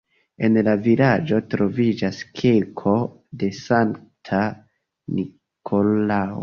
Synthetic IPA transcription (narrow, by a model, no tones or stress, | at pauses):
e̞nlavilad͡ʒo̞tɾo̞vid͡ʒaskʰilkʰo̞ | de̞saŋtʰa | ni | kʰolao̰